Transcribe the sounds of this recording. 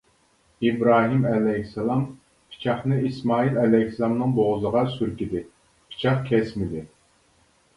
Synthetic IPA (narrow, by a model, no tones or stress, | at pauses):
ibɾɑːɦimɛlɛhsɛlˠɑm | pʰi̥t͡ʃʰɑχnɨismɑːilɛlɛhslˠɑmnɨŋboʁzəʁɑsyɾkʲid̪ɪ | pʰi̥t͡ʃʰɑχkʲʰɛsmɪd̪ɪ